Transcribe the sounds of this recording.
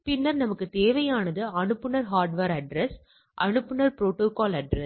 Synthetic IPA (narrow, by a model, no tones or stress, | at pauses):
pɪnːɐɾnɐmɐkːɯt̪eːʋɐjaːnɐðɯɐɳɯpːɯnɐɾɦaːɾɖʋɐːɾɐɖɾɛs | ʔɐɳɯpːɯnɐɾpɾoːʈːoːkaːlɐɖɾɛ